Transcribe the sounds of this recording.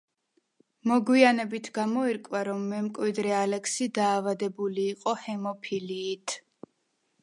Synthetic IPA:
mɔɡwianɛbit̪ʰɡamɔiɾkʼwaɾɔmːɛmkʼwid̪ɾɛalɛksid̪aːvad̪ɛbuliːqʼɔhɛmɔpʰiliːt̪ʰ

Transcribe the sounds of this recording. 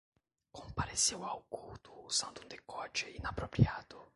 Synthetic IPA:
kompaɾesewawkut̪ʊ̥z̥ãnd̪und̪ekɔt͡ʃɪinapɾopɾjad̪ʊ

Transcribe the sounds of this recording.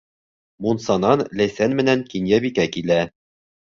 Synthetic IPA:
munsɑnɑnlæjsænmɘ̆nænkinjæβikækilæ

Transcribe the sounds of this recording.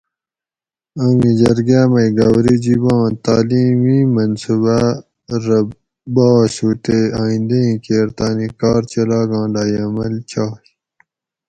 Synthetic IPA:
ɐmĩd͡ʑɐɾɡaːmɐiɡɐwɾid͡ʑibɑ̃ːt̪aːliːmimɐnsuba | ɾɐ | baːsuːʈeaːĩnd̪eĩkeːɾt̪aːnikɑːɾt͡ɕɐlaːɡɑ̃ːlaːjɐmɐlt͡ɕʰaː

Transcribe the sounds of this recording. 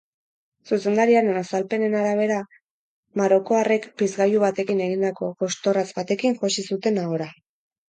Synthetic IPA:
suse̞nd̪aɾiaɾenasalpe̞ne̞naɾaβ̞e̞ɾa | maɾo̞ko̞are̞kpizɣajuβat̪e̞kine̞ɣind̪ako̞ko̞st̪o̞razbat̪e̞kiŋʝosisut̪e̞naɣoɾa

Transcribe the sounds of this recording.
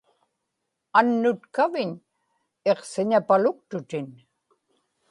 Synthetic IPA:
anːʊt̪kavɪɲ | e̞qsɪɲapalʊk̚t̪ʊt̪ɪn

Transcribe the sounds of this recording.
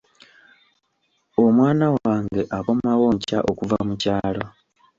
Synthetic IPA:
o̞mwaːnawaːŋɡe̞ʔako̞mawo̞ːɲca̰ʔo̞kuva̰mucaːlo

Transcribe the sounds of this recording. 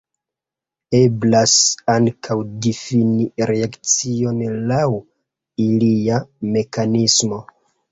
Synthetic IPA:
e̞blasaŋkʰawdifiniɾeakt͡sio̞nlaw | iliame̞kanismo̞

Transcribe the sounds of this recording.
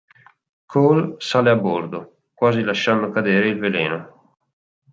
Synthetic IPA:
kʰolsaːleabːord̪o | kwaːzilaʃːand̪okad̪eːɾeilveleːno

